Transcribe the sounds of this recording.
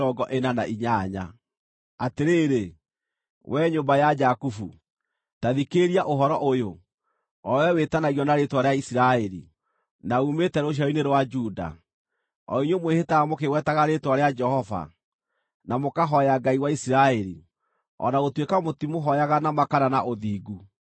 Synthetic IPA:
ɔɡɔʔenana̰ʔiɲaɲa̰ | ateɾeːɾe | wʔɛːɲombajad͡ʒakufṵ | taðikeɾiaʔoɦɔɾɔʔojo | ɔwɛwetanaɣjɔnaɾetwaɾeaisiɾaɛɾḭ | naumetɛɾoʃ̬jaineɾwad͡ʒuda̰ | ɔ̰iɲomwehetaamokewɛtaɣaɾetwaɾead͡ʒɛhɔva̰ | namokaɦɔjaɡaiwaisiɾaɛɾḭ | ɔ̰naɣotwekamotimoɦɔjaɣanamakananaʔoðiːɡu

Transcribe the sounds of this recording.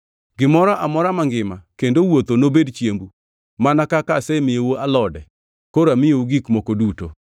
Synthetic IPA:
ɡɪmɔɾaʔamɔɾamaŋɡɪmakendowot̪onobedt͡ʃjembu | manakakasɛmɪjowoʔalɔdɛ | koɾamɪjouɡikmɔkoduto̰

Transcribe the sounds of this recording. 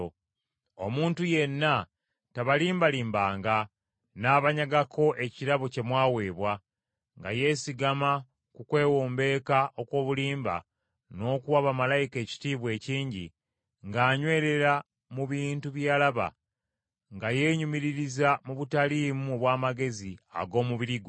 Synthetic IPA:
omuːntuje̞nːa | taβaliːmbaliːmbaːŋɡa | naːβaɲaɡakʰo̞ʔe̞ciɾaβoce̞mwaːwe̞ːβwa | ŋɡa̰je̞siɡama | kukwe̞ːwoːmbe̞kaʔo̞kwo̞ːβuliːmba̰ | no̞ːkuwaβamalajike̞ːci̥tiːβwe̞ːciːɲɟḭ | ŋɡaːɲwe̞ːɾe̞ɾa | muβiːntuβjaːlaβa̰ | ŋɡaje̞ːɲumiɾiɾizamuβutalimuoβwaːmaɡe̞zia̰ɡo̞ːmuβiɾiɡu

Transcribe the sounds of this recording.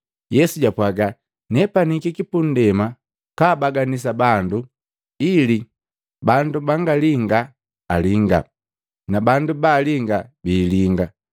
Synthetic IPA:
jɛsuɟapwaɡa | nɛpanikikipun̩dɛma | kaːbaɡanis̬abandu | ili | bandubaŋɡaliŋɡaː | liŋɡa̰ | nabandubaːliŋɡabiːliŋɡa

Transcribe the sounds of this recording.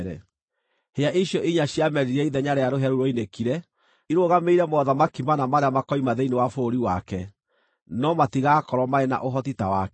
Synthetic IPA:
ɾɛ̰ | heaʔiɕjɔʔiɲaɕjamɛɾiɾɛiðɛɲaɾɛjaɾoɦeaɾuɾoinekiɾɛ | iɾoɣameiɾɛmɔðamakimanamaɾeamakɔimaðeinewafoɾiwakɛ | nɔmatiɣaːkɔɾɔmaɾena̰ʔoɦɔtitawakɛ

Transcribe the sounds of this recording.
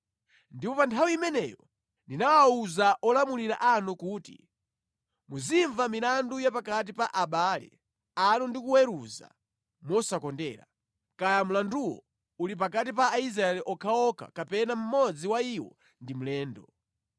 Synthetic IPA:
ndipɔpantʰawiimɛnɛjɔ | ndinawauzaʔɔlamuliɾaʔanukuːtḭ | muziɱvamilandujapakat̬ipaʔaɓaːlɛ̰ | anundikuwɛɾuza̰ | mɔsakɔndɛ̰ːɾa̰ | kajamulanduwɔ̰ | ulip̬akat̬ip̬aːizɾaɛliʔɔkʰaɔkʰa̰kapɛnam̩mɔd͡ziwaiwɔ̰ | ndim̩lɛːndɔ

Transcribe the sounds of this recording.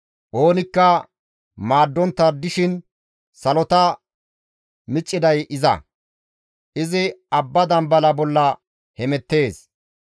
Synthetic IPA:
ʔo̞ːnɪkːɐ | maːd̪ːɔnt̪ːɐd̪ɪʃɪn | sɐlɔt̪ɐ | mɪt͡ʃʼːɪd̪ɐjʔɪzɐ̰ | ʔɪzɪɐbːɐd̪ɐmbɐlɐbɔlːɐ | hɛmɛt̪ːe̞ːs

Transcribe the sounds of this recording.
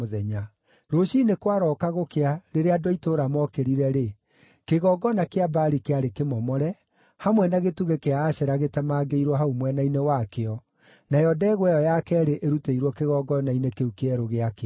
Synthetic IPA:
oðɛɲa | ɾoʃinekwaɾɔkaɣokeaɾeɾeadoitoɾamɔkeɾiɾɛɾe | keɣɔɡɔnakeabaɾikeaɾekemɔmɔɾɛ | hamwɛnaɣetuɣekeaːɕɛɾaɣetɛmaɡeiɾwɔɦaumwɛnainewakeɔ | najɔdɛɣwɛjɔjakɛɾeʔeɾuteiɾwɔkeɣɔɡɔnainekeukeɛɾoɣeake

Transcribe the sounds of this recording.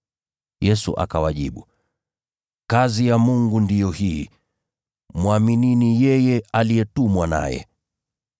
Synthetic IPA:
jɛsṵʔa̰kawaʄḭɓu | kazijamuŋɡundijɔhi | mwamininijɛjɛʔalijɛtumwana̰jɛ̰

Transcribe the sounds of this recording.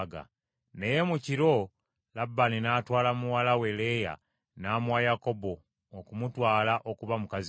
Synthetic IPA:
ɡa̰ | ne̞je̞muciɾo̞ | labːaninaːtwaːlamuwalawe̞le̞ja̰ | naːmwajako̞bo̞ː | kumutwaːlaʔokuβamukaz

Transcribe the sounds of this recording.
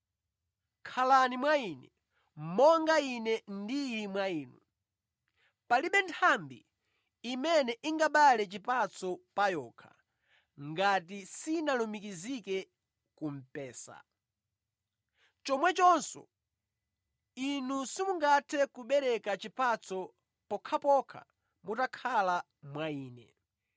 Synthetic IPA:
kʰalanimwainɛ | mɔŋɡainɛndijimwaiːnṵ | paliɓɛntʰambḭː | mɛnɛʔiŋɡaɓalɛt͡ʃipat͡sɔpajɔːkʰḁ | ŋɡatisinalumikizikɛ | kum̩pɛːsa̰ | t͡ʃɔmwɛt͡ʃɔnsɔ̰ | inusimuŋɡatʰɛkuɓɛɾɛkat͡ʃipat͡sɔ | pɔkʰapɔkʰa̰ | mutakʰala | mwaiːnɛ̰

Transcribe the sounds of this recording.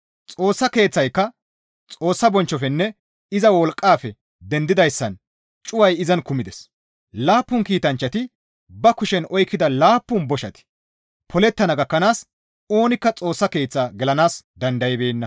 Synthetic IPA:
t͡sʼo̞ːsːɐke̞ːt͡sːɐjkːɐ | t͡sʼo̞ːsːɐbɔnt͡ʃːɔfɛnːɛ | ɪzɐwɔlkʼːaːfɛ | d̪ɛnd̪ɪd̪ɐjsːɐn | t͡ʃʼʊwɐjɪzɐnkʊmɪd̪ɛs | laːpːʊnkiːt̪ɐnt͡ʃːɐt̪ɪ | bɐkʊʃɛnɔjkːɪd̪ɐlaːpːʊnbɔʃɐt̪ɪ̥ | pʰɔlɛt̪ːɐnɐɡɐkːɐnaːs | oːnɪkːɐt͡sʼo̞ːsːɐke̞ːt͡sːaːɡɛlɐnaːsd̪ɐnd̪ɐjɪbeːnːɐ

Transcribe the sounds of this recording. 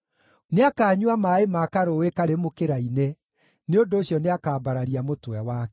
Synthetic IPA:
neakaːɲwamaːemakaɾowekaɾemokeɾaine | neondoːɕjɔneakaːbaɾaɾiamotwɛwaːkɛ

